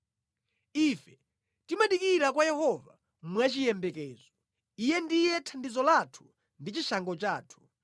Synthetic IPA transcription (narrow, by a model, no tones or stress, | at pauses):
ifɛ | timaɗikiɾakwajɛhɔva̰ | mwat͡ʃijɛmbɛkɛːzɔ | ijɛndijɛtʰandizɔlatʰu̥ | ndit͡ʃiʃaŋɡɔt͡ʃaːtʰu̥